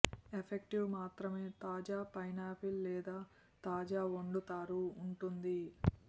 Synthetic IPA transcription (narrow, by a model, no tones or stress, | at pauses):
epʰekʈiʋmaːt̪ɾɐme̞ːt̪aːd͡ʒaːpɐjnaːpʰilːɛːd̪aː | t̪aːd͡ʒaːoɳɖut̪aːɾuːɳʈund̪i